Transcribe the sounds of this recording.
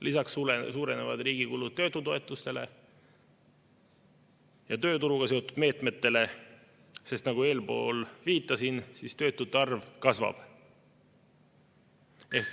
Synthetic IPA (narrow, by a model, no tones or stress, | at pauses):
lisɑksuesuːɾe̞nevɑ̰d̪riːɡ̥ikulud̪̚t̪ːø̞ːt̪ːˑut̪o̞e̞t̪ːˑust̪e̞lḛ | jɑt̪ø̞ːt̪uɾuɡ̥ɑse̞o̞t̪ːˑud̪̥me̞ːt̪ˑme̞t̪ːe̞le̞ | se̞st̪nɑɡ̥ue̞ːlpo̞̰ːlviːt̪ːˑɑsinsist̪ø̞ːt̪ːˑut̪ːɑrvkɑsvɑ̰b̥ | e